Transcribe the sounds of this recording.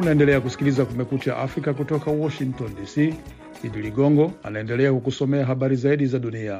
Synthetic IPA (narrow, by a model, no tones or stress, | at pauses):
unaɛndɛlɛakusi̥kilizakumɛkut͡ʃa̰ʔafɾikakutɔkawɔʃiŋtɔndisi | iɗiliɡɔŋɡɔa̰naɛndɛlɛakukusɔmɛaɦaɓaɾizaiɗizaɗunia